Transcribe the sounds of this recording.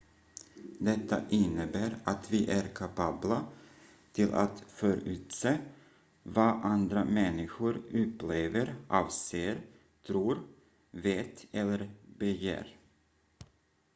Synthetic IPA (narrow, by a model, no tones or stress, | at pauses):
d̪ɛt̪ːaʔɪnːəbæːɾat̪viʔæɾkʰapʰɑːbla | t̪ʰɪlʔa̰t̪fœːɾʉ̟̰ːt̪seː | vɑʔand̪ɾamɛnːɪɧʊɾɵpleːvəɾʔɑːvseːɾ | t̪ʰɾuːɾ | veːt̪ɛlːəɾbəjæ̰ːɾ